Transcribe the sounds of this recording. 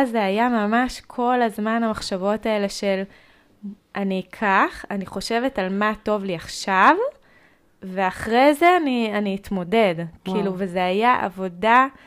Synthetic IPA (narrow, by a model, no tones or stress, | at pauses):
zeajamamaʃkʰo̞lazmanhamaχʃavo̞tae̞le̞ʃe̞l | ʔanikʰaχaniχo̞ʃe̞vetalmato̞vliaχʃav | ve̞aχʁejze̞anianiːtmo̞de̞dkʰiluvezeajaʔa̰vo̞da